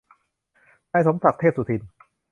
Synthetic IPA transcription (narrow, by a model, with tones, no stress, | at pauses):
naː˥˧˨jso˩˦msa˨˩k̚t̪ʰeː˥˩p̚suː˨˩t̪ʰi˧n